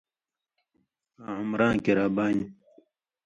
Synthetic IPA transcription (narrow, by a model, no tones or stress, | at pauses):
aːumɾãːnkiɾaːbaːɲi